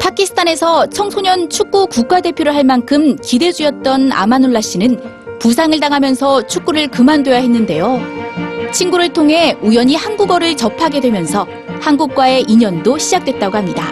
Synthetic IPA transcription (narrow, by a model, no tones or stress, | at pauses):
pʰakʰisʰɯ̥tʰane̞sʰʌt͡ɕʰʌŋsʰoɲʌnt͡ɕʰuk̚k͈ukuk͈̚ade̞pʰjoɾɯɭɦaɭmankʰɯmkide̞d͡ʑujʌt̚t͈ʌna̰manuɭːaɕ͈inɯn | pus̬ʰaŋɯɭtaŋɦamjʌnsʰʌt͡ɕʰuk͈uɾɯɭkɯmandwe̞jaɦe̞nːɯnde̞jo | t͡ɕʰinɡuɾɯɭtʰoŋɦe̞ujʌɲihanɡuɡʌɾɯɭt͡ɕʌpʰaɡe̞dwe̞mjʌnsʰʌ | hanɡuk̚k͈wae̞ʔiɲʌndoɕʰid͡ʑak̚t͈we̞t̚t͈aɡohamɲida̰